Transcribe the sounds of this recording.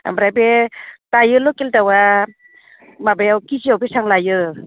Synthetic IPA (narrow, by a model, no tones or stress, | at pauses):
a̰mbɾajbetajɯlɔkeltawa | mabajawkiziawbesaŋlajɯ